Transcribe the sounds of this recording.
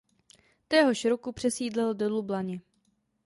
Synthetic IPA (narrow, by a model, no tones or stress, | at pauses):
t̪ɛɦo̞ʃɾokupr̝̥ɛsiːdlɛldolublaɲɛ